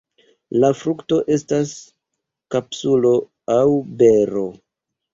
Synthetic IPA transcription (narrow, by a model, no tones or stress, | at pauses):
lafɾukto̞ʔe̞stas | kapsulo̞ | awbe̞ɾo̞